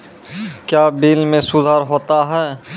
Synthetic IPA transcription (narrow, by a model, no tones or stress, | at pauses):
kjaːbiːlmẽsʊd̪ʱaːɾɦoːt̪aɦɛː